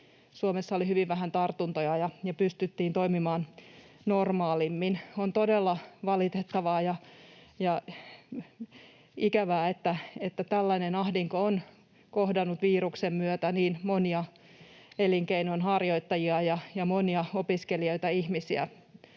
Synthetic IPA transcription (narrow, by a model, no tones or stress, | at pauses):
suomesːɑolihyʋiʋʋæɦænt̪ɑrt̪unt̪ojɑjɑjɑpyst̪yt̪ːiːnt̪oimimɑːn | normɑːlimːinont̪odelːɑʋɑlit̪et̪ːɑʋɑːjɑjɑ | ikæʋæːet̪ːæet̪ːæt̪ælːænenɑhdiŋkoon | kohdɑnːut̪ʋiːruksemmyøt̪æniːnmoniɑ | eliŋkeinonɦɑrjoit̪ːɑjiɑjɑjɑmoniɑopiskelioit̪ɑihmisiæ̰